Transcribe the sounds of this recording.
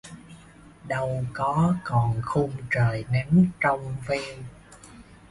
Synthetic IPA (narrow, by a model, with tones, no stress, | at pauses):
ɗə˧wkɔ˨˦kɔ˨˩nxu˧mt͡ɕəː˨˩jnɛ˨˦mt͡ɕɔ˧wŋ͡mvi˧n